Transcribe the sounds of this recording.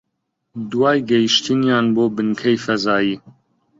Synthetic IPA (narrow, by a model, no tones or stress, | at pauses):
d̪uwɑːjɡɛjiʃt̪injɑːnboːbɨnkʰɛjfɛzɑːjiː